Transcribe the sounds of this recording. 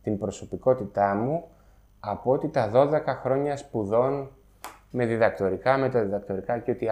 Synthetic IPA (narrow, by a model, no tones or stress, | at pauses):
t̪imbɾo̞so̞piko̞t̪it̪ɐmu | ɐpoot̪it̪ɐðo̞ðe̞kɐxɾo̞ɲɐspuðo̞n | me̞ðiðɐkt̪o̞ɾikɐme̞t̪ɐðiðɐk̚t̪o̞ɾikɐceo̞t̪i